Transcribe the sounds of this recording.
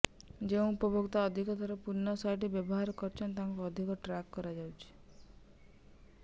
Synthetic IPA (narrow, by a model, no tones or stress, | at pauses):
d͡ʒeũupɔbokt̪aɔd̪ʱikɔt̪aɾɔpuɾnːɔsajʈ̬ibjɔbɔɦaɾɔkɔɾt͡ʃʰɔnt̪̬aɦŋkuɔd̪ʱikɔʈɾakːɔɾad͡ʒawt͡ʃʰi̥